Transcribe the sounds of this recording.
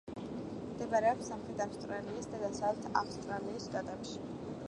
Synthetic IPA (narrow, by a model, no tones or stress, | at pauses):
md̪̥ɛvaɾɛɔpsamχɾɛt̪ʰafst̪ʼɾaliːsd̪ad̪asalt̪ʰa̰fst̪ʼɾaliːsʃt̪ʼat̪ʼɛpʃi̥